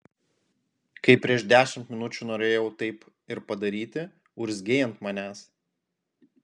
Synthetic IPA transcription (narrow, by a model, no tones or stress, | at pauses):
kɐɪpʲɾʲiɛʃd̪ʲæːʃʲɪmt̪ʲmʲɪnʊt͡ʃʲuːnoːɾʲeːjɛʊt̪ɐɪp | ɪɾpɐd̪ɐɾʲiːt̪ʲɪ | ʊɾʲzʲɡʲeːjɛnt̪mɐnʲæːs